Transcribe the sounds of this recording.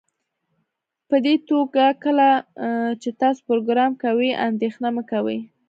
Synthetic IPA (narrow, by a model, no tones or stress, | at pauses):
pəd̪et̪oɡakəlat͡ʃet̪ɑso̥pɾoɡɾɑmkawiʔa̰nd̪exnaməkawə̰j